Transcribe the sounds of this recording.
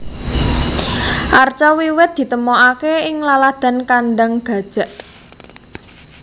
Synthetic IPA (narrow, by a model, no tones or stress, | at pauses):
ʔart͡ʃɔwiwɪt̪̚d̪̥i̤t̪əmɔʔakeɪŋlalad̪̥a̤nkanɖaŋɡ̥a̤d̥ʒ̥ä̤ʔ